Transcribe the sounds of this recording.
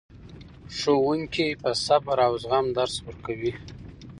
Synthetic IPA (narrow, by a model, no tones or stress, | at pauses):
ʂowuŋkipəsabaɾawzɣamd̪aɾswəɾkawi